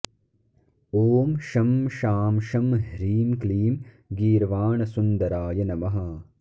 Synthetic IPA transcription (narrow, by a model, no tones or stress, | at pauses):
oːmʃɐmʃaːmʃɐmɦɾiːmkliːm | ɡiːɾʋaːɳɐsund̪ɐɾaːjɐnɐmɐɦɐ